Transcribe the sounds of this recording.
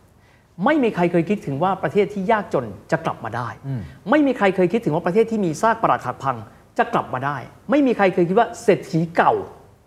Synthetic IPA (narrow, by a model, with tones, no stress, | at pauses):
ma˥˩jmiː˧kʰɾa˧jkʰɤː˧jkʰi˦˥t̪ʰːɯ˩˦ŋwaː˥˩pɾa˧t̪ʰeː˥˩t̪ʰːiː˥˩jaː˥˩k̚t͡ɕo˧nt͡ɕa˨˩kla̰˨˩p̚maː˧daː˥˩jma˥˩jmiː˧kʰɾa˧jkʰɤː˧jkʰi˦˥t̪ʰːɯ˩˦waː˥˩pɾt̪ʰe˥˩t̪ʰːiː˥˩miː˧saː˥˩k̚pa˧ɾaː˨˩t̪̚ʰa˨˩k̚pʰa˧ŋ | t͡ɕa˨˩kla˨˩p̚maː˧daː˥˩jma˥˩jmiː˧kʰɾa˧jkʰɤː˧jkʰi˦˥t̪waː˥˩seː˨˩t̪̚ʰiː˩˦ka˨˩w